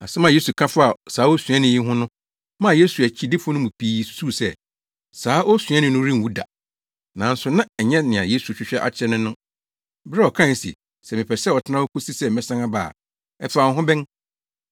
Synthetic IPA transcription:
a̰˨sɛ˦mã˦˨je˦su˨kʰã˦fa˨saː˨˦ɔ˦sɥɛ̃˦nɪ̃˨ji˦ɦʊ̃˦nʊ̃˦ | mã˦˨je˦su˨æ˨t͡ɕʰi˦dɪ˦fʊ˦nʊ̃˦mũ˨pʰiː˦su̥˨su˦˨sɛ˦ | saː˨˦ʔɔ˦sɥ̃ɛ˦nɪ̃˨nʊ̃˦ɾĩ˦˨wu˦da̰˨ | nã˨n̩˦sʊ˨˦nã˦ɛ˨ɲɛ̃˦nɪ̃˨a̰˨je˦su˨t͡ɕᶣɪ˦ɕᶣɛ˦ʔa̰˨t͡ɕʰɛ˦nʊ̃˦nʊ̃˦ | bɾɛ˦ɔ˨kʰã˦˨sḭ˨ | sɛ˨mɪ̃˨pʰɛ˨sɛ˦˨ɔ˨tʰɪ˦nã˦wo˦kʰʊ˦si˦sɛ˦˨mɛ̃˦˨sã˦ŋã˦ba̰ː˨ | ɛ˦fã˨˦ɦʊ̃˦bɛ̃˦n

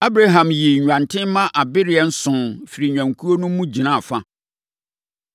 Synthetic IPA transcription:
a˦bɾa˦ɦã˨mji˨ɲᶣ˨ã˨ntʰɪ̃˦mã˦ʔa˨bɪ˦ɾɪ˨ɛ˦n̩˦sʊ̃˨nfi˨ɾi˨ɲᶣã˨ŋ˨kʰu˦o˦nũ˦mũ˦d͡ʑi˨nã˦˨fa˦

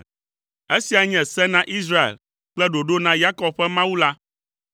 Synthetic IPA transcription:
e˦si˨a˨ɲɛ̃˨sɛ˦nã˦ʔi˦s̬ɾa˦ḛ˨l | k͡plɛ˦ɖo˨ɖo˦nã˦ja˦kɔ˨b̚ɸɛ˦mã˦wu˦la˦

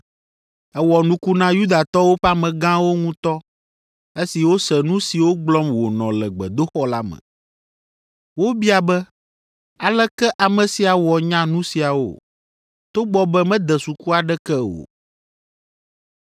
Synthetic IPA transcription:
ɛ˦wɔ˨nũ˦ku˦nã˦ju˦d̪a˨t̪ɔ˦wo˦ɸa˦mɛ̃˨ɡã˦wo˦ŋũ˦t̪ɔ˦ | e˦si˨wo˦sɛ˨nũ˦si˨wo˦ɡ͡blɔ˦mwo˨nɔ̃˨lɛ˨ɡ͡bɛ˨d̪o˦xɔ˦la˦mɛ̰̃˨ | wo˦bi˦a˨bɛ˦ | a˨lɛ˦kɛ˦ʔa˨mɛ̃˨si˨a˨wɔ˨ɲã˦nũ˦si˨a˨wo̰˦˨ | t̪o˦ɡ͡bɔ˦bɛ˦mɛ̃˦d̪ɛ˨su˨ku˦a˨ɖɛ˦kɛ˦wo̰˨

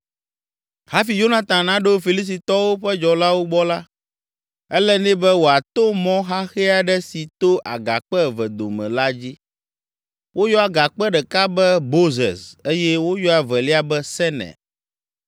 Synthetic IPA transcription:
ha˦fi˨jo˦nã˨t̪ã˨nã˦ɖo˦fi˨li˦s̬i˨t̪ɔ˦wo˦ɸɛ˦d͡ʒɔ˨la˦wo˦ɡ͡bɔ˦la˦ | ɛ˦lɛ˦nɛ̃˦bɛ˦wo˨a˨t̪o˦mɔ̃˦ɦa˦xɛ˦a˨ɖɛ˦si˨t̪o˦ʔa̰˨ɡa̰˨k͡pɛ˦˨vɛ˨d̪o̰˨mɛ̰̃˨la˦d͡ʑi˦ | wʔo˦jɔ˦a˨ɡa˨k͡pɛ˦ɖɛ˨ka˦bɛ˦bo˦zɛ̰˨se˦jɛ˦wo˦jɔ˦a˨vɛ˨li˦a˦bɛ˦sɛ˦nɛ̰˨

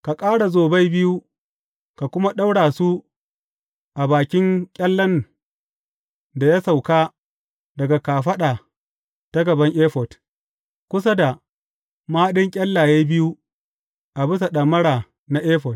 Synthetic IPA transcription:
ka˨kʼaː˦ɽa˨zoː˨ba˦jbɪ˦ju˦ | ka˨kʷʊ˦ma˦ɗa˦wɽaː˨su˦ | ʔa˨baː˨kʲɪ˦ŋkʲʼɐ˦lːɐ˦n | da˨ja˦sa˨wkaː˦ | dɐ˨ɡa˨kaː˨ɸɐ˦ɗaː˨ | ta˦ɡɐ˨bɐ˦ŋʔeː˦ɸɔ˨t | kʷʊ˦sa˦da˨ | maː˦ɗɪ˦ŋkʲʼɐ˦lːaː˨jeː˦bɪ˦ju˦ | ʔa˨bɪ˦s̬a˨ɗɐ˨mːɐ˦ɽaː˨ | na˦ʔeː˦ɸɔ˨t̚

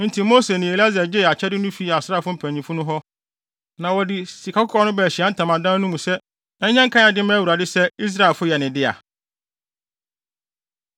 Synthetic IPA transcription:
n̩˦tʰi˨mo˦se˨nɪ̃˨e˨la˦za˨d͡ʑɪ˦˨a˨t͡ɕʰɛ˦dɪ˦nʊ̃˦fi˦˨a˨sa˦˨fʊ˦m̩˦pʰæ̃˨ɲĩ˨fʊ˦nʊ̃˦ɦɔ˦ | nã˨wɔ˨dɪ˨si˨kʰa˨˦kʊ˦ɔ˦nʊ̃˦bɛ˨ɕi˨a˦n̩˦tʰã˨mã˨dã˦nũ˦mũ˨sɛ˦ | nã˨ɲ̩˦ɲɛ̃˦ŋ̩˦kʰã˦a˨dɪ˦mɛ̃˦wu˨ɾa˨dɪ˦sɛ˦i˦s̬ɾa˦e˨lfʊ˦jɛ˨nɪ̃˨dɪ˦a̰˨

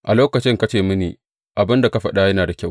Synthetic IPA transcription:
ʔa˨loː˦kɐ˨t͡ʃɪ˦ŋka˦t͡ʃeː˨mɪ˦niː˨ | ʔa˨bɪ˦nda˨ka˦ɸɐ̰˦ɗa˦jɐ˦naː˨da˨kʲw

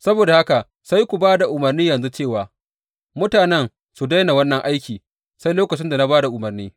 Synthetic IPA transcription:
sɐ˦boː˨da˨ha˦ka˨ | sa˦jkʷu˨baː˦da˨ʔʊ˨mɐ˨rniː˦jɐ˨nzu˦t͡ʃeː˦˨waː˨ | mʊ˦taː˨nɛ˦ŋ | su˨da˦jna˨wɐ˦nːɐ˨ŋʔa˦jkʲiː˨ | sa˦jloː˦kɐ˨t͡ʃɪ˦nda˨na˦baː˦da˨ʔʊ˨mɐ˨rniː˦

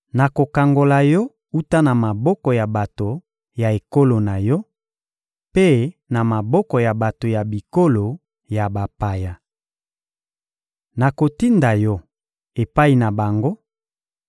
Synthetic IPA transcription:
na˨ko˨ka˨ŋɡo˨la˨jɔ˦ | u˦ta˦na˨ma˨bɔ˦kɔ˨ja˨ba˨to˨ | ja˨e˨ko˦lo˨na˨jɔ˦ | pe˦na˨ma˨bɔ˦kɔ˨ja˨ba˨to˨ja˨bi˨ko˦lo˨ | ja˨ba˨pa˨ja˨ | na˨ko˨ti˦nda˨jɔ˦ | e˨pa˦i˨na˨ba˨ŋɡo˦

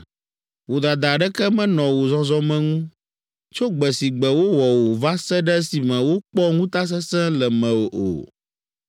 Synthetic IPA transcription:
wo˨d̪a˨d̪a˨ɖɛ˦kɛ˦mɛ̃˦nɔ̃˨wo˨zɔ˦zɔ˦mɛ̃˦ŋũ˦ | t͡ʃo˦ɡ͡bɛ˨si˨ɡ͡bɛ˨wo˦wɔ˨wo˨va˦sɛ˦ɖɛ˦si˨mɛ̃˨wo˦k͡pɔ˦ŋũ˦t̪a˦s̬ɛ˦sɛ̃˦lɛ˨mɛ̃˨wo˨ʔo̰˨

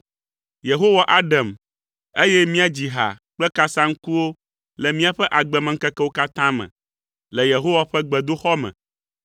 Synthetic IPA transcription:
je˨ɦo˦wa˨ʔa˦ɖa˨m | e˦jɛ˦mĩ˦a˨d͡ʑi˨ɦa̰˨k͡plɛ˦ka˦sã˦ŋ̩˦ku˦wo˦ | lɛ˨mĩ˦a˦ɸɛ˦ʔa˨ɡ͡bɛ˨mɛ̃˨ŋ̩˦kɛ˦kɛ˦wo˦ka˦t̪ã˦mɛ̰̃˨ | lɛ˨je˨ɦo˦wa˨ɸɛ˦ɡ͡bɛ˨d̪o˦xɔ˦mɛ̰̃˨

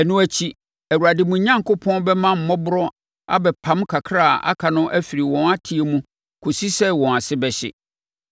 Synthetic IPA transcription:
ɛ˨nũ˦æ˨t͡ɕʰi˦ | æ˨wu˨ɾa˨dɪ˨mũ˨ɲã˦ŋkʊ˦pʰɔ̃˦nbɛ˦mã˦m̩˨mɔ˦bʊ˦ɾɔ˦ | a̰˦bɛ˨pʰã˦mkʰa˨kʰɾa˦˨ʔa̰˦kʰa˨nʊ̃˦ʔæ˦fi˨ɾi˨wɔ̃˨na˦tʰi˨e˨mũ˦ | kʰo˨si˦sɛ˦wɔ̃˨a˨sɪ˦bɛ˨ɕɪ̰˦

